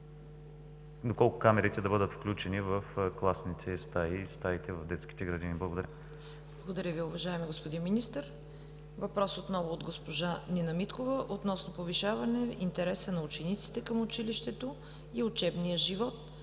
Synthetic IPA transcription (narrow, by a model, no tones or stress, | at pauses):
d̪okɔlˠkʊkamɛɾit̪ɛd̪ɐbɤd̪ət̪fklʲut͡ʃɛnivɐfklˠasnit̪ʰɛst̪aist̪ait̪ɛvɐvd̪ɛt̪sk̟i̥t̪ɛɡɾɐd̪iniblˠɡod̪ɐɾʲjə | blˠɐɡod̪ɐɾʲəviʊvɐʒaɛmiɡospod̪inminist̪əɾ | vɐpɾɔsot̪nɔvʊːd̪ɡospoʒaninɐmit̪kovəʔot̪nɔsnopoviʃavɐnɛint̪ɛɾɛsənɐʊt͡ʃɛnit̪si̥t̪ɛkəmʊt͡ʃiliʃt̪ɛt̪o | iʊt͡ʃɛbnijəʒivɔt̪̚